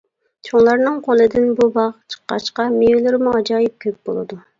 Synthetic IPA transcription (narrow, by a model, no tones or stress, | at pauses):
t͡ʃʰoŋlˠɑɾnɨŋqʰolˠɨd̪ɪnbubɑʁt͡ʃʰə̥qːɑ̰ʃqɑmejylɪɾmuɑd͡ʒɑːjip̚kʲʰøp̚b̥olˠɨ̰d̪u